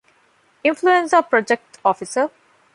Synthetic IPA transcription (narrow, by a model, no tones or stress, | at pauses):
ɪ̃nfluẽnsəpɾɔd͡ʒek̚ʈɔfisə